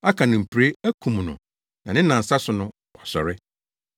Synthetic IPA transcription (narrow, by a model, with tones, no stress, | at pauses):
a˦kʰa˨nʊ̃˨m̩˨pʰɾe˦æ˦kʰũ˨mnʊ̰̃˨ | nã˨nɪ̃˦nã˨n̩˨sa˦sʊ˨nʊ̃˦ | wɔ˨sɔ̰˨ɾɪ˦